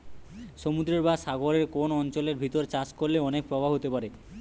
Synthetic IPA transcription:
ʃomud̪ɾeɾbaʃaɡoɾeɾkonɔnt͡ɕoleɾbʱit̪oɾt͡ɕat͡ɕkolːeɔnek̚pɾɔbʱaɦot̪epaɾe

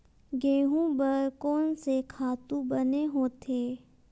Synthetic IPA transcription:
ɡeːɦũbəɾkɔːnsekʰaːt̪ũbɐneɦoːt̪ʰeː

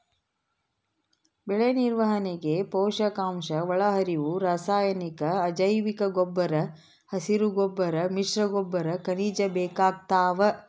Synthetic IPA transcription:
bɛɭeniɾʋɐɦɐneɡepɔːʃɐkaːmʃɐʋɐɭɐɦɐɾiʋuɾaːsaːjɐnikɐːd͡ʒɐjʋikɐɡobːɐɾɐ | hɐsiɾuɡobːɐɾɐmiʂɾɐɡobːɐɾɐkɐniːd͡ʒɐbeːkaːɡ̚t̪aːʋɐ

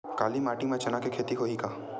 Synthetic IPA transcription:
kaːlimaːʈimẽt͡ʃɐnakekʰeːt̪iɦoikaː

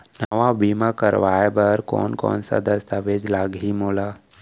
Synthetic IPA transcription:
nəʋabiːmakəɾʋaːjbəɾkɔ̰ːnkɔ̰ːnsa̰d̪əst̪aʋed͡ʒlaːɡɦimoːla

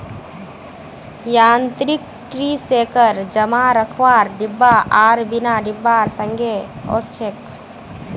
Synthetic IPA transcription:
jaːnt̪ɾik̚ | ʈɾiseːkəɾd͡ʒəmaɾəkʰʋaːɾɖɪbːaʔaːɾbinaɖɪbːaːɾsə̃ŋɡʱeo̰st͡ʃʰek

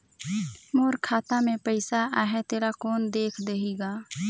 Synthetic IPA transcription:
moːɾkʰaːt̪amẽpəɪsaʔaːɦɛt̪eːɾakɔːnd̪eːkʰd̪eɦiːɡaː

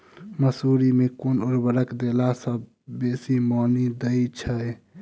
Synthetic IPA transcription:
məsuɾimekonoɾbəɾəkd̪elasəbː | esimɔːnid̪əit͡ʃʰəj

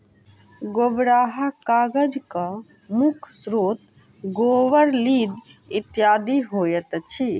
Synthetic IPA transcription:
ɡobɾaːɦakaːɡəd͡ʒka | mʊkʰsɾoːt̪ | ɡoːʋəɾliːd̪ɪt̪jaːd̪iɦoːjət̪t͡ʃʰi

